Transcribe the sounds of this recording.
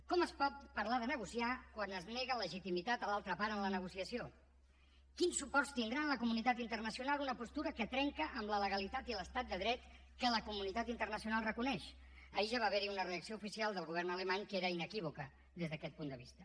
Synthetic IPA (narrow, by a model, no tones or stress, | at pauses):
kɔməspɔt̪̚pəɾlaðənəɣusiakwanəzneɣələʒit̪imit̪at̪əlalˠt̪ɾəpaɾənlənəɣ̞usiəsio | kinsːupɔrst̪ind̪ɾanləkumunit̪at̪int̪ərnəsiunalˠunəpust̪uɾəkət̪ɾɛŋkəʔəmlələɣəlit̪at̪iləst̪at̪̚d̪əðɾɛt̪ | kələkumunit̪at̪int̪ərnəsiunalˠrəkunɛʃ | əiʒaβaːβɛɾiunəreəksioufisialˠd̪əlˠɣuβɛrnələmaɲkeɾəinəkiβukə | d̪ezðəkɛt̪̚pund̪əβḭst̪ə